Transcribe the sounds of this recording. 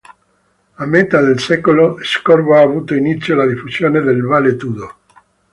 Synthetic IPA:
amːet̪ad̪elsɛkoloeskorboaːvuːt̪oinit̪sːjolad̪ifusjoːned̪elvalet̪uːd̪o

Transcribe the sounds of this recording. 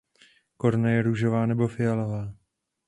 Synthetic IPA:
ko̞ɾnajɛɾuʒovaːnɛbofɪjalovaː

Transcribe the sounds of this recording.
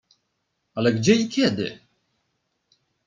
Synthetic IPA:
alɛɡd͡ʑɛikʲɛd̪ɘ̰

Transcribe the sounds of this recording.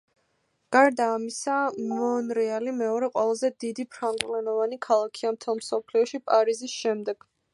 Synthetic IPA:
ɡ̥aɾd̪aːmisamɔnɾɛalimɛɔɾɛqʼwɛlˠazɛd̪id̪ipʰɾaŋɡvlɛnɔvanikʰalˠakʰiamt̪ʰɛlˠmsɔpʰliɔʃipʼaɾizisʃɛmd̪ɛɡ̥

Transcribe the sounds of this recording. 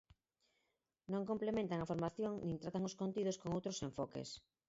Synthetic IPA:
nõŋkomplemẽnt̪aŋafoɾmaθjoŋnĩŋt̪ɾat̪aŋoskont̪iðoskoŋowt̪ɾosẽɱfɔkḛs

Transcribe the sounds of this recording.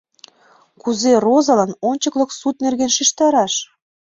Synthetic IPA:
kuzerozɑlɑnonʲt͡ɕəklə̆ksut̪̚nerɣenʃiʃt̪ɑɾɑʃ

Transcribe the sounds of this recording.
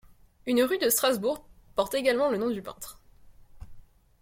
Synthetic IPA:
ynʁyd̪əst̪χazbuʁpɔʁt̪eɡalmɑ̃lənɔ̃d̪ypɛ̰̃t̪χ

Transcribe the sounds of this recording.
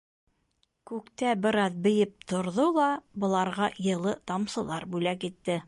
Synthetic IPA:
kʉkt̪æbɘ̆ɾɑðbɘ̆jɘp̚t̪ʰŏɾðolˠɑbɤ̆lˠɑɾʁɑjɤ̆lˠɤt̪ɑmsɤ̆lˠɑɾbʉlækit̪ːɘ

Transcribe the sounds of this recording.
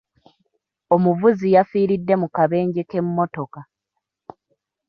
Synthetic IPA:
o̞muvuzijafiːɾidːe̞mukaβe̞ːɲɟeke̞mːo̞to̞ka

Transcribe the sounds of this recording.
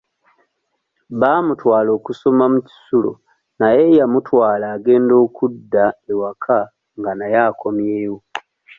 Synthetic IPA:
βaːmutwaːlo̞ːkuso̞mamuci̥sulo̰ | naje̞jamutʰwaːlaːɡe̞ːndo̞ːkudːaewakʰa | ŋɡanajaːkʰo̞mjeːwo

